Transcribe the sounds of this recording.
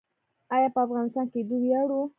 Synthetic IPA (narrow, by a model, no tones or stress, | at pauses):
ɑjɑpəafɣɑnɪst̪ɑnked̪uwjaɽu